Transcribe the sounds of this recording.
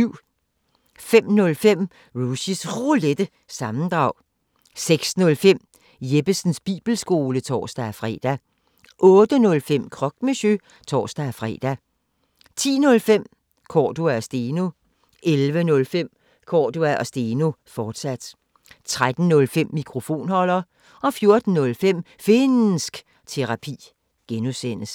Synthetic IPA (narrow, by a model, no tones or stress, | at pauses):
yʊ̰ | fem̰nɔ̽lfem̰ | ʁuɕisʁoled̥ə | sɑ̈mn̩d̥ʁɑ̈ʊ̰ | seɡ̥snɔ̽lfem̰ | jeb̥əsn̩sb̥ḭːb̥l̩sɡ̥o̝ːlət͡sʰɒ̰ːsd̥æfʁɛ̰ːd̥æ | ʔɔ̽ːd̥ənɔ̽lfem̰kʰʁɒ̽ɡ̥meɕø | t͡sʰɒ̰ːsd̥æfʁɛ̰ːd̥æ | t͡sʰḭːnɔ̽lfem̰ | kʰɒ̰ːd̥uæɒsd̥eno̝ | elʋənɔ̽lfem̰ | kʰɒ̰ːd̥uæʔɒ̽sd̥eːno̝fɒːd̥sæd̥ | t͡sʰʁad̥n̩nɔ̽lfem̰ːikʰʁo̝fo̝̰ːnhɒ̽lɐ | ɒ̽fjo̝ɐd̥n̩nɔ̽lfem̰ | fe̝nn̩sɡ̥ | t͡sʰe̝ʁɑ̈pʰḭː | ɡ̥enusenəs